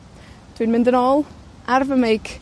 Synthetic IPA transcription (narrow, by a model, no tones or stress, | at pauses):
d̥winmɪ̃ndənɔːlˠ | arvəmejɡ̥